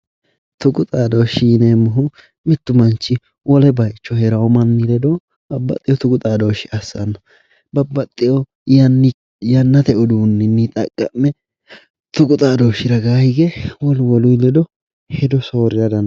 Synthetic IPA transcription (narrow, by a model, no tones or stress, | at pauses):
t̪ʊɡʼʊt̪ʼaːd̪oʃiːneːmːʊɦʊ | mɪt̪ːʊmɐnt͡ʃːɪ | wɔlɛbɐjt͡ʃːɔhɛɾɐwɔmɐnːɪlɛd̪oː | bɐbːɐ̰t̪ʼːɪjɔt̪ʊɡʼʊt̪ʼaːd̪oːʃɪʔɐsːɐ̰nːɔ | bɐbːɐt̪ʼːɪjɔ | j | jɐnːɐt̪ɛʔɔd̪uːnːɪnːɪt̪ʼɐkʼːɐmːɛ | t̪ʊɡʊt̪ʼaːd̪oːʃɪɾɐɡaːhɪɡɛwɔlwɔlʊjlɛd̪ɔ | hɛd̪ɔsoːɾɪɾɐd̪ɐn